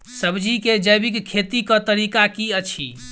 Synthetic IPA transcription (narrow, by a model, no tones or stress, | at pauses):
səbd͡ʒiked͡ʒəjbikkʰːet̪ikə̃t̪əɾikakiət͡ʃʰḭ